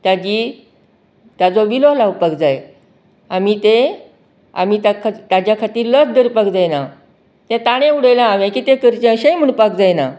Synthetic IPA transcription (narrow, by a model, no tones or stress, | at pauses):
t̪jad͡ʑi | t̪jad͡zɔʋilolawpəkd͡zaj | amit̪e | a̰mit̪akʰt̪ad͡ʑjakʰat̪iːɾlət͡sd̪əɾpəkd͡zajna | t̪ãt̪aɽ̃ẽuɽəjlãːʋẽkiːt̪ekəɾt͡ɕẽəɕẽjm̤əɳpəkd͡zajna